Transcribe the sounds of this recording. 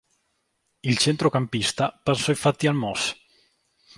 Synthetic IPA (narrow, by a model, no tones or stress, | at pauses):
ilt͡ʃent̪ɾokampist̪apansɔifat̪ːialmɔs